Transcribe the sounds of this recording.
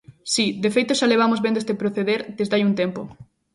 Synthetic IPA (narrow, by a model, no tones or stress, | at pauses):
sid̪efejt̪oʃaleβ̞amozβend̪oest̪epɾoθeðeɾd̪ezd̪ajunt̪empo